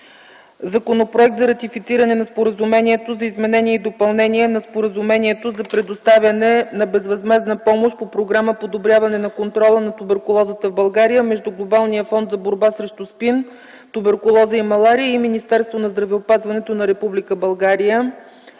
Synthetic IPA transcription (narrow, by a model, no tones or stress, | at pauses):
zɐkonopɾoɛk̚t̪zɐɾɐt̪ifit̪siɾɐnɛnɐspoɾəzumɛniɛt̪ozɐizmɛnɛniɛid̪opɐlˠnɛniɛnɐspoɾəzumɛniɛt̪ozɐpɾɛd̪ost̪avʲənɛnɐbɛzvɐzmɛznəpɔmoʃpopɾoɡɾaməpod̪obɾʲjavɐnɛnɐkont̪ɾɔlˠənɐt̪ʊbɛɾkʊlˠɔzət̪əvbɐlˠɡaɾijəmɛʒd̪uɡlˠobalˠnijəfɔnd̪zɐboɾbasɾɛʃt̪ʊspin | t̪ubɛɾkʊlˠɔzəimɐlˠaɾijəiminist̪ɛɾst̪vonɐzd̪ɾɐvɛopazvɐnɛt̪onɐɾɛpublikəbɐlˠɡaɾijə